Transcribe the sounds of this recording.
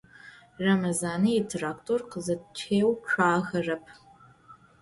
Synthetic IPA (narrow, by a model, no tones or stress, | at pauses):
rɐmɐzaːnɨitʰraːktʰorqəzɐtt͡ʃʰeːwʃʷaːɣɐrɐpʰ